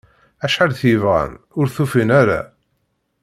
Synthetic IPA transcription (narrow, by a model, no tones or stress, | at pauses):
æʃħalθivʁæ̰n | ʊɾθufinæɾa̰